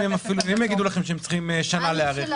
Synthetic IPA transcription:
emafiluemjaɡid̪ulaχe̞mʃeemt͡sχimeʃanaleaʁeχ

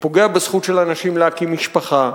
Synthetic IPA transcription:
po̞ɡe̞abesχut̪ʃelanaʃimleakimiʃpaχa

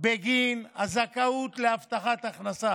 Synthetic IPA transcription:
beɡinazakaut̪leaft̪aχat̪aχnasa

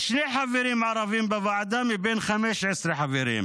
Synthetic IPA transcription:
ʃneːħaviɾiːmʕɑɾˤɑviːmbavaʕd̪amibeːnxameːʃʕɪsɾiħaviɾḭːm

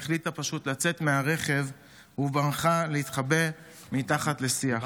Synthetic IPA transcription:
χlitapaʃut̪lat͡se̞t̪meaʁe̞χe̞v | hubanχaleit̪χabe | mitaχat̪le̞sia

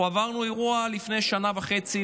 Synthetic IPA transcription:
avaʁnuiʁualifne̞jʃanavaχe̞t͡si

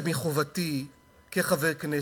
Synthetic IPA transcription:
miχovati | keχaveʁkne

